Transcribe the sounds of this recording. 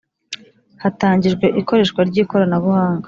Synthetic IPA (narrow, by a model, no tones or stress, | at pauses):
hataːɲɟiʒɡwe̞ʔiko̞ɾe̞ːʃkwaɾɟiːko̞ɾanaβuhaːŋɡa